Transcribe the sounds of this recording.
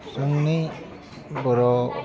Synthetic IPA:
sɔŋni | bɔɾɔ

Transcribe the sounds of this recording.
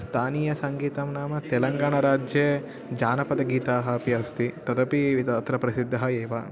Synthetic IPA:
st̪ʰaːniːjɐsɐŋɡiːt̪ɐmnaːmɐt̪ɛlɐŋɡaːɳɐɾaːd͡ʒjeː | d͡ʒaːnɐpɐd̪ɐɡiːt̪aːɦɐpiɐst̪it̪ɐd̪ɐpiʋit̪aːt̪ɾɐpɾɐsid̪ʱːɐɦɐeːʋɐ

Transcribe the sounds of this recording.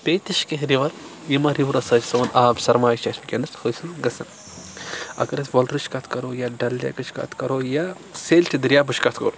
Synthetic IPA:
peːt̪iʃkeɦɾiʋɐɾ | jimɐɾiʋɾɐsɐt͡ʃsɐːnʔaːbsɐɾmaːjt͡ʃaːspikʲɐnɐshɐsɨɡɐsɐn | ɐ̰kɐɾɐsʋɐlɾɨt͡ʃkɐt̪ʰkɐɾoːjaɖɐlːja̰kɐt͡ʃʰkɐ̰t̪ʰkɐɾoːja | seːlʈid̪ɾjaːbut͡ʃkɐt̪ʰkɐ̰ɾ

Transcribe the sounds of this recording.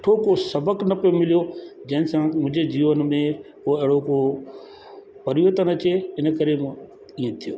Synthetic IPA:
ʈʰokosɐbəknɐpijomɪlijod͡ʑɐ̃ɦɪ̃nsãmʊ̃ɦɪ̃ɲd͡ʑed͡ʑiːʋənmẽkoːɪɦɽoko | pɐɾiʋət̪ənɐt͡ɕeɪnkɐɾẽ | iːẽt̪ʰijo̰ː

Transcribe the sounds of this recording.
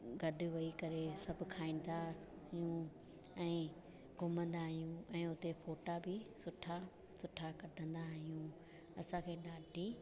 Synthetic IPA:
ɡɐɖʱʊ̆ʋɐikɐɾesɐbʱʊ̆kʰaːĩːn̆d̪a | ɦijũ | ɛ̃ː | ɡʱʊmə̃nd̪aɦijũɛ̃ːʊt̪efoːʈabɪsʊʈʰa | sʊʈʰakɐɖʱə̃nd̪aɦijũ | ɐsãkʰeːɗaːɖʱi

